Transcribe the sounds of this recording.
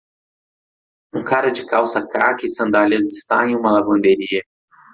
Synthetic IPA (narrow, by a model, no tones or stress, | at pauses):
ũkaɾɐd͡ʒɪkawsɐkakɪsɐ̃nd̪alɐzɪst̪aẽj̃ũmɐlavɐ̃nd̪eɾiɐ